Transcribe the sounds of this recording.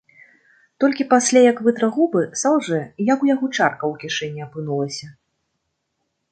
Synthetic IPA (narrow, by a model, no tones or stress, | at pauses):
t̪ɔlʲkʲipasʲlʲajɐkvɨt̪ɾɐɣubɨsawʐɨjakujaɣɔt͡ʂarkɐwkʲiʂɛnʲːiapɨnulˠɐsʲɐ